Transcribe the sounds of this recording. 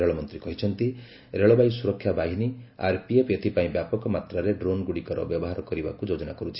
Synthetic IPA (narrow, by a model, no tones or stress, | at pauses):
ɾeɭɔmɔnt̪ɾikɔɦit͡ʃʰɔnt̪i | ɾeɭɔbajsuɾɔkʰːjabaɦinia̰ɾpiepjɔt̪ʰipaĩbjapɔkɔmat̪ɾaɾeɖɾonɡuɽikɔɾɔ̰bjɔbɔɦaɾɔkɔɾiba̰kud͡ʒod͡ʒɔnakɔɾut͡ʃʰi̥